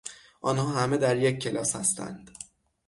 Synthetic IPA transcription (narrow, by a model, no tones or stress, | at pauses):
ʔɒːnhɒːɦæme̞d̪æɾjecʰːe̞lɒːshæst̪ʰæ̰nd̪̥